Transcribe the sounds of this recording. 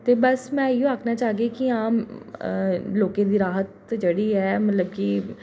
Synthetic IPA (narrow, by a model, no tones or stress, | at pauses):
t̪eːbəsmɛ̃ːioaːkʰnaːt͡ʃaːɡeːkiaːm | loːkẽːd̪iːɾaːɦət̪d͡ʒəɽiːɦɛːmət̪ləb̚ki